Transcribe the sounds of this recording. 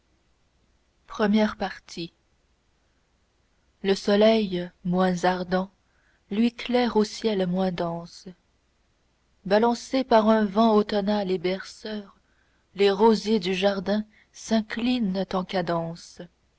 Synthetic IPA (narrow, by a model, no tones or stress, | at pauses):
pχəmjɛʁpaʁt̪ʰi | ləsɔlɛjmwɛ̃zaʁd̪ɑ̃ | lɥiklɛːʁosjɛlmwɛ̃d̪ɑ̃s | balɑ̃sepaʁɛ̃vɑ̃ot̪ɔnalebɛʁsœːʁ | leʁozjed̪yʒaʁd̪ɛ̃ | sɛ̃klint̪ɑ̃kad̪ɑ̃ːs